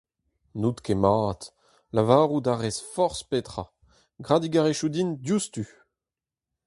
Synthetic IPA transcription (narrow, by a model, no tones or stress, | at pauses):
nut̪kemaːt̪ | lavaːʁud̪aʁɛsfɔʁspet̪χa | ɡʁad̪iɡaʁeʃud̪indjust̪y